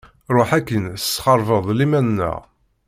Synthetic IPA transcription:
ɾˤoħækːənə̥sːχɑɾˤvəðˤlimænːə̰ʁ

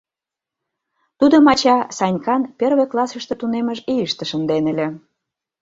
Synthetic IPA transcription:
t̪ud̪omɑt͡ɕɑsɑnʲkɑnpʲerβeklˠɑsəʃt̪ĕt̪uneməʒijəʃt̪ĕʃə̆nd̪enəlʲĕ

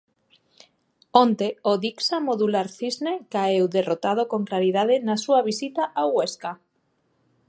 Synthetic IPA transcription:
ont̪eoðiksamoðulaɾθiznekaewðerot̪að̞okoŋklaɾiðaðenasuaβisit̪aʔaɣeska

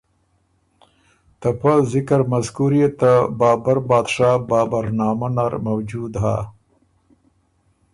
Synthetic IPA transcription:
t̪apazɪkəɾmazkuɾiet̪abɑːbaɾbɑːd̪ʂɑːbɑːbaɾnɑːmanaɾmawd͡ʒud̪ɦa

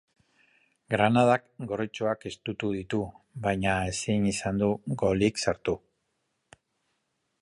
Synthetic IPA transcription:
ɡɾanað̞akɡo̞rit͡ʃoake̞st̪ut̪uð̞it̪u | βajɲaesinisand̪uɡo̞liksaɾt̪u

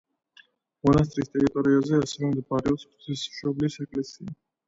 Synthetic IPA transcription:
mɔnast̪ʼɾist̪ʼɛɾit̪ʼɔɾiazɛasɛɾɔmd̪abaɾiɔpsχt̪ʰisʃɔblisɛkʼlɛsia

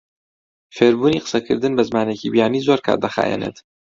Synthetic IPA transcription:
feːɾbuːniːqə̥sɐkʰɨ̰ɾd̪ɨnbɐzmaːnecibijaːniːzoɾkʰa̰ːɾd̪ɐxa̰ːjɛ̰nḛt̪

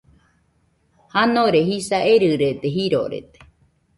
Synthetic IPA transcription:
hanõɾehisaeɾɨɾet̪eɦiɾo̰ɾḛt̪e̥

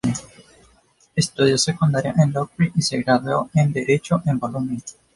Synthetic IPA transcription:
est̪uðjasekund̪aɾjaʔẽnlokiʔiseɣɾaðeoẽnd̪eɾet͡ʃoʔembolumi

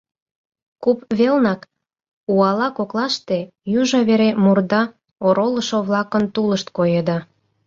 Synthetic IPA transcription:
kupβelnɑk | uɑlɑkoklɑʃt̪e̽juʒɑβeɾemurd̪ɑ | oɾoləʃoβlɑkənt̪uləʃt̪̚kojed̪ɑ

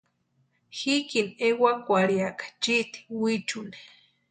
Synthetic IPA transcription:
xikinewakʷaɾiakḁt͡ʃiʔt̪i̥wit͡ʃune̥

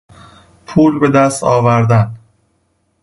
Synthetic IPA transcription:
pʰuːlbe̞d̪æst̪ɒːvæɾd̪æn

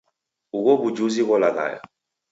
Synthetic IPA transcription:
ukobud͡ʒuzikɔlaka̰ja̰

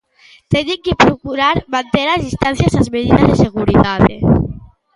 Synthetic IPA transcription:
t̪eniŋkepɾukuɾaɾmant̪eɾazðist̪anθjazazmeðiðazðeseɣuɾitaðḛ

